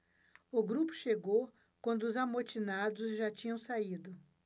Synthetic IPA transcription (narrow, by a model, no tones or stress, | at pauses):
ʊɡɾupʊ̥ʃeɡow | kwɐ̃nd̪ʊʊzamot͡ʃinad̪ʊzʒat͡ʃĩɲɐ̃w̃said̪ʊ